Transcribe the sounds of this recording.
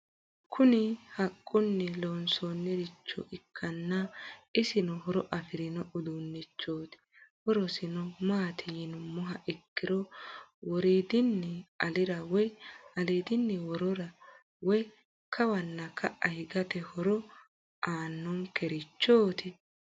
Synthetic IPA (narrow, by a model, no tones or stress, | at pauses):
kʰʊnɪhɐkʼːʊnːɛloːnsonːɛɾɪt͡ʃːɔ̰ʔɪkʰːɐnːɐɪsɪnɔhɔɾɔʔɐfɪɾɪnɔʔʊd̪unːɛt͡ʃːoːt̪ɪ̥ | wɔɾɔsɪnɔmaːt̪ʰɪjɪnʊmɔɦɐʔɪkːɪɾɔwɔɾiːd̪ɪnːɛɐlɪɾɐwɔjɐliːd̪ɪnːɛwɔɾɔɾɐ | wɔj | kʰɐwɐnːɐkʰːɐʔɐhɪɡɐt̪ɛhɔɾɔ | aːnːɔŋkɛɾɪt͡ʃːoːt̪ʰɪ